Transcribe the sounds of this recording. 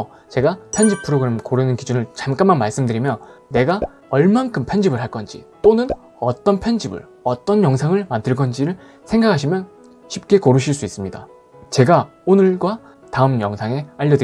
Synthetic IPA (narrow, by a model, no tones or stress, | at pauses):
t͡ɕe̞ɡapʰend͡ʑipʰɯɾoɡɯɾemkoɾɯnɯnkid͡ʑunɯɭt͡ɕamk͈amanmaɭs͈ɯmdɯɾimjʌnːe̞ɡa | ʌɭmaŋkʰɯmpʰend͡ʑibɯɭɦaɭk͈ʌnd͡ʑḭt͈onɯn | ʌt͈ʌnpʰend͡ʑibɯ̰ɭ | ʌt͈ʌnjʌŋsʰaŋɯɭmandɯɭɡʌnd͡ʑiɾɯɭ | sʰe̞ŋɡakʰaɕʰimjʌn | ɕʰip̚k͈e̞koɾɯɕʰiɭs͈uis͈ɯmɲida̰ | t͡ɕe̞ɡaonɯɭɡwa | taɯmjʌŋsʰaŋe̞aʎːʌdɯ